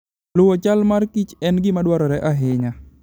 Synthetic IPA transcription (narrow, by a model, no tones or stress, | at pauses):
lʊwɔt͡ʃalmarkit͡ʃɛnɡɪmadwaɾɔɾɛʔaɦɪɲa